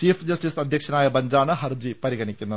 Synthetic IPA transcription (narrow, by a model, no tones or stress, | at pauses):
t͡ɕiːpʰd͡ʒɐsʈisɐd̪ʱjɐkʂɐnaːjɐbɐɲd͡ʒaːnɐɦɐɾd͡ʑipɐɾiɡɐɳikʲːunːɐ